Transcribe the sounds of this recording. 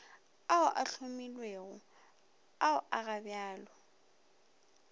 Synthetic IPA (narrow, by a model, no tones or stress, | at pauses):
aʊʔaɬʰʊmilweːɣʊ | aʊʔaɣabjaːlɔ